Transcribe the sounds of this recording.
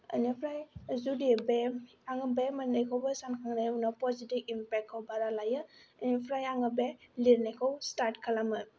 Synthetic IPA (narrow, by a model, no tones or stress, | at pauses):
ə̰nipʰɾajzudibem | aŋəbemənəjkʰɔwbəsankʰaŋnajunapɔzitibimpɛk̚ʰːawbaɾalajɯənipʰɾajaŋɯbeliɾnekʰəwstaɾtkʰalamɯ